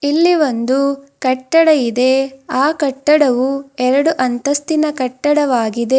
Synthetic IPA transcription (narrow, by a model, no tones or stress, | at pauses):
ilːiʋo̞nd̪ukɐʈːɐɽɐjid̪e̞aːkɐʈːɐɽɐʋuɛɾɐɽuʔɐnt̪ɐst̪inɐkɐʈːɐɽɐʋaːɡid̪e̞